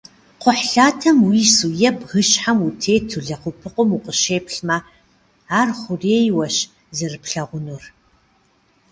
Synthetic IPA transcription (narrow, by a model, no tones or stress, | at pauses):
qʷʊħɬaːtʰɐmwiːsujɛbɣɨʃħamutʰeːtʰuɮɐqʷʊpʰɨqʷʊmuqəʃeːpɬmɐ | aːrχʷʊreːjwɐɕ | zɨrɨpɬɐʁʷʊnur